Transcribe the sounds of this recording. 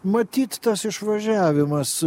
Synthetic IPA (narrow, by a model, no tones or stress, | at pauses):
mɐt̪ʲiːt̪t̪ɐsɪʃʋɐʒʲæːʋʲɪmɐs